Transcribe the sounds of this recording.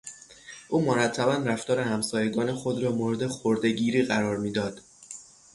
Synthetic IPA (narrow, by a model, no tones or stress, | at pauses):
ʔuːmoɾæt̪ʰːæbænɾæft̪ɒːɾe̞hæmsɒːje̞ɡɒːne̞xo̞d̪ɾɒːmoɾe̞d̪exoɾd̪e̞ɟiːɾiːɣæɾɒːɾmiːd̪ɒːd̪̥